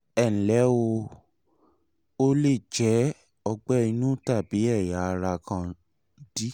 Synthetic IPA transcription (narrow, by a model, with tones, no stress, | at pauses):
ɛ˦˨ñ̩˨lɛ˨˦wo˧ | o˦le˦˨d͡ʒɛ˨˦ | ɔ˧ɡ͡bɛ˦i˧nũ˦ta˦˨bi˨˦ɛ˦˨ja˨˦˧ɾa˧kʰã˧˦ | di˦